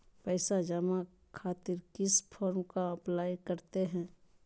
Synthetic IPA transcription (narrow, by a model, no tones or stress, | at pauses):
pɛːsad͡ʒɐma | kʰaːt̪ɪɾkɪspʰɔːɾmkaɐplaːjkəɾt̪eɦɛ̃ː